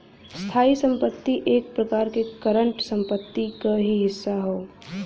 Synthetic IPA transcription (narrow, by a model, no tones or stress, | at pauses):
st̪ʰaːisə̃mpət̪ːiʔeːk̚pɾɐkaːɾkekəɾə̃ɳʈsə̃mpət̪ːikaɦiɦɪsːaɦoː